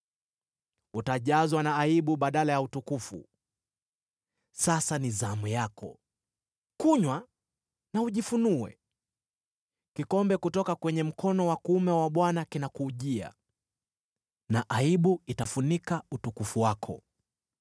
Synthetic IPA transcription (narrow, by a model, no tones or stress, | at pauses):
utaʄazwanaːiɓuɓaɗalajautukufṵ | sasanizamujakʰɔ̰ | kuɲwa | nauʄifunuwɛ̰ | kikɔmbɛkutɔkakwɛɲɛm̩kʰɔnɔwakuumɛwaɓwanakinakuːʄia̰ | naʔaiɓuitafunikautukufuwakʰɔ̰